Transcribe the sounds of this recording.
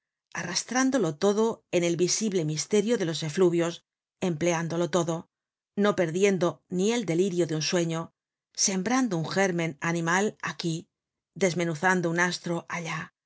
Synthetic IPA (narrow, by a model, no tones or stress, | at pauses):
arast̪ɾand̪o̞lo̞t̪o̞ðoe̞ne̞lβisiβle̞mist̪e̞ɾjoðe̞lo̞se̞fluβjo̞s | e̞mple̞and̪o̞lo̞t̪o̞ðo̞ | no̞pe̞ɾðje̞nd̪o̞nie̞ld̪e̞liɾjoðeunswe̞ɲo̞ | se̞mbɾand̪ouŋxe̞ɾmẽ̞nanĩmala̰ki | ðe̞zmẽ̞nuθand̪ounast̪ɾoʔaʎa